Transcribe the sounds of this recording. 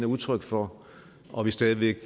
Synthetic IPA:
nəuðˠt͡sʰʁœɡ̥fɒ | ʔɒʋisd̥ɛːð̞ˠʋeɡ̥

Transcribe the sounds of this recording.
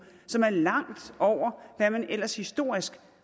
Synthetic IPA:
sɒ̽mæɐlɑ̈ŋ̰d̥ɒʊ̰ɐʋæmænʔel̰ɐshisd̥o̝ɐ̰isɡ̥

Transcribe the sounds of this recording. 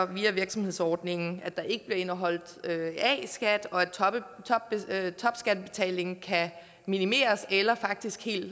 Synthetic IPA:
ɒ̽ʋiːæʋiɐɡ̥sɒ̽mhe̝ð̰ˠsɒːd̥ne̝ŋn̩æd̥ɑ̈ʔe̝ɡ̥əb̥liɐe̝nɐɦɒ̽l̰d̥øɛ̰isɡ̥æd̥ɒ̽æd̥ʰt͡sʰbt͡sʰɒ̽b̥sɡ̥æd̥̚b̥e̝t͡sʰɛ̰ːle̝ŋn̩kʰæ | minime̝̰ːɐselɐfɑ̈ɡ̥̚d̥isɡ̥he̝̰ːld̥

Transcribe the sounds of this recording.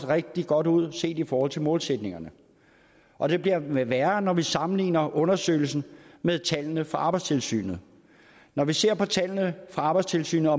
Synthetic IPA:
ʁeɡ̥̚d̥iɡ̥ɒ̽d̥uð̞̰ˠse̝̰ːd̥ifɒːhɒ̽l̰t͡sʰelmɔ̽ːlsed̥ne̝ŋɐnə | ʔɒ̽d̥e̝b̥liɐʋæɐnɒʋisɑ̈mn̩lḭːnɐʔɔ̽nɐsø̰ɪl̩sn̩meðˠt͡sʰælnəfʁɑ̈ɑ̈b̥ɑ̈ɪst͡sʰe̝lsy̰ːnð̞̩ˠ | nɒʋise̝ɐ̰pʰɒ̽t͡sʰælnəfʁɑ̈ːb̥ɑɪst͡sʰe̝lsy̰ːnð̩ˠɒ̽

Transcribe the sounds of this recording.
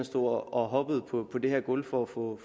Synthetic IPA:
nsd̥o̝̰ɒɒ̽ɦɒ̽b̥əð̞̩ˠpʰɒ̽pʰɒ̽d̥e̝hæɐ̰ɡ̥olfɒ̽ːfɔ̽

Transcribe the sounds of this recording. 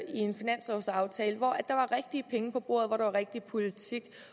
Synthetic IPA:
ie̝nfinæn̰sɒsɑ̈ʊt͡sʰɛːləʋɒæ̥d̥ɑ̈ʋɑ̈ʁeɡ̥̚d̥iəpʰeŋəpʰɒ̽b̥o̝̰ɐ̰ð̞̩ˠʋɒɾ̥ɑʋɑ̈ʁeɡ̥̚d̥ipʰo̝lit͡sʰiɡ̥

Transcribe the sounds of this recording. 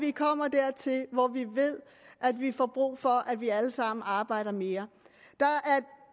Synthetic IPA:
ʋikʰɒ̽m̰ɐd̥æɐ̰t͡sʰe̝lʋɒʋiʋe̝ð̰ˠ | ʔæd̥ʋifɒ̰ːb̥ʁṵːfɒʔæd̥ʋiæləsɑ̈m̰n̩ɑ̈ːb̥ɑ̈ɪ̰ɾ̥ɐme̝ːɐ | d̥ɑ̈ʔæɐ

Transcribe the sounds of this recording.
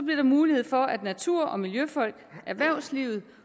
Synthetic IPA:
ɒ̽b̥liɐɾ̥ɑ̈muːlihe̝ð̞̰ˠfɒ̽æd̥næt͡sʰuɐ̰ɒ̽miljøfɒ̽l̰ɡ̥æɐʋæɐ̰ʊslḭʊð̞̩ˠ

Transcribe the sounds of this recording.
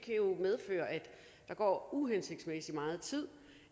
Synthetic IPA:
kʰæjo̝með̞ˠfø̰ːɐʔæd̥ | d̥ɑ̈ɡ̥ɒ̰ːuɦense̝ɡ̥d̥smesimɑ̈ːð̞̩ˠt͡sʰið̰ˠ

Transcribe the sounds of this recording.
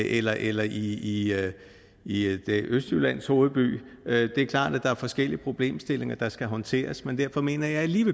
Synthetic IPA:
ʔelɐʔelɐʔii | id̥eʔøsd̥ylæn̰sho̝ːð̩ˠb̥y̰ːød̥e̝æɐkʰlɑ̰̈ːd̥æd̥ɑ̈æɐfɒ̽sɡ̥el̰iəpʰʁo̝b̥le̝̰ːmsd̥e̝le̝ŋɐd̥ɑ̈sɡ̥æɦɒ̽nt͡sʰe̝̰ːɐsmend̥æɐfɒ̽me̝̰ːnɐjɑ̈ɪæliːʋe

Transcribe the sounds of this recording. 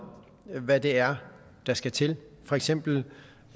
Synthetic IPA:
ʋæd̥e̝æɐ | d̥ɑ̈sɡ̥æt͡sʰe̝lfɒ̽eɡ̥sem̰b̥l̩

